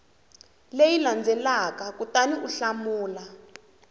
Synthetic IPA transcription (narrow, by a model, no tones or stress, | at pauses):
lejiland͡zʱɛlakakutaniʔuɬamuːla